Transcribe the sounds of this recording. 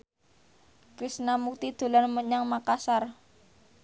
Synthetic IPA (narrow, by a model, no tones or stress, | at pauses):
kɾisnamuk̚t̪id̪̥o̤lanməɲaŋmakasar